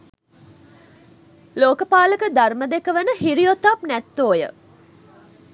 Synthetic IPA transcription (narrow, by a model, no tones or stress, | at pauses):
loːkəpaːləkəd̪arməd̪ekəʋənəɦiɾijot̪apnæt̪ːoːjə̰